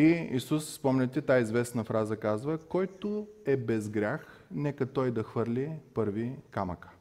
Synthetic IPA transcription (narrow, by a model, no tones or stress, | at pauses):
iisusspɔmnʲət̪ɛt̪aizvɛsnəfɾazəkazvəkɔjt̪oɛbɛzɡɾʲax | nɛkət̪ɔjd̪ɐxvɤɾlʲipɤɾvikaməkə̥